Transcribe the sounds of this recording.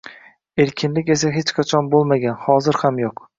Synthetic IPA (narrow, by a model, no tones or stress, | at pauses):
eɾkʲʰɪnlɪkʲe̞s̬aɦet͡ʃqʰat͡ʃʰɒnbolˠmaɡʲanhɒzɪɾhamjoq